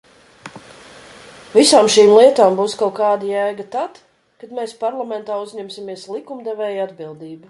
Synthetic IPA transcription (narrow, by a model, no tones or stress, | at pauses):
visaːmʃiːmlˠiɛt̪aːmbuːskawkaːd̪ajæːɡat̪at̪ | kad̪meːspaɾlˠamɛnt̪aːuzʲɲɛmsimiɛslˠikumd̪ɛvɛːjad̪bilˠd̪iːbu